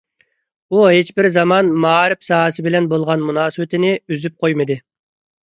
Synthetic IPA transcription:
uɦet͡ʃbɪɾzɑmɑnmɑːɾɪpsɑɦɨsɨbɪlɛnbolˠʁɑnmunɑːsɨwɪt̪ʰɪnɪyzyp̚qʰojmɨd̪ɨ

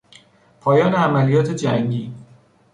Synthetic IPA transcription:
pʰɒːjɒːneæmælijɒːt̪ʰe̞d͡ʒæŋɟiː

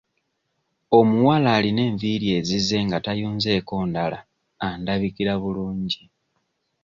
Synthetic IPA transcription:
o̞muwalaːline̞ːɱviɾje̞ːzize̞ːŋɡatajuːnze̞ːko̞ːndala̰ | andaβikiɾaβuluːɲɟi

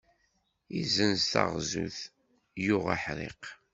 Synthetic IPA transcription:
izənzt̪a̰ʁzṵθ | jʊʁa̰ħɾḛq

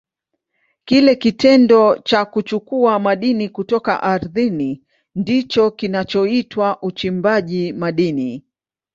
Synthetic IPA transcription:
kilɛkitɛndɔt͡ʃakut͡ʃukuamaɗinikutɔka̰ʔaɾðini | ndit͡ʃɔkinat͡ʃɔitwaʔut͡ʃimbaʄimaɗini

